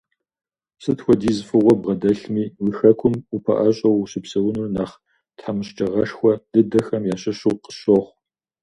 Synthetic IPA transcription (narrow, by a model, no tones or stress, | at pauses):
sɨtxʷɔdiːzfɨʁʷɔbʁɐdɐɬmiːwixɐkʷʰʊmupʰɐ̰ʔɐɕʼɐwɕɪpsɐwʊnurnaːχ | tħamɨɕt͡ʃʼɐʁɐʂxʷɔd̥ɨdɐxɐmjaːɕɐɕuːqə̥ɕoʁʷ